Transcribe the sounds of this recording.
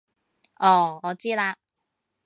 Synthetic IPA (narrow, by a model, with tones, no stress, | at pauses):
ʔɔː˧˩ɔː˨˧t͡siː˥laː˧k